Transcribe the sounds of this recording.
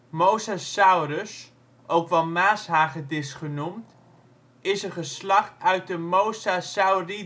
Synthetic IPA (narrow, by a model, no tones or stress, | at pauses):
mowsasawɾəs | ʔowkʋɑnmaːsɦaːχətɪsχənumt | ɪsəχəslɑχtœɥt̚dəmowsasawri